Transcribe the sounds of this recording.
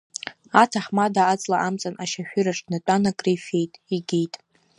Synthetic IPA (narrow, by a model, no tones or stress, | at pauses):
atʰaħmadaːt͡sʼlaʔamt͡sʼanʔaʃaʃᶣʏɾaʈ͡ʂʼnat͡pʷʼanakʼrejfe̞jtʼiɡʲijtʼ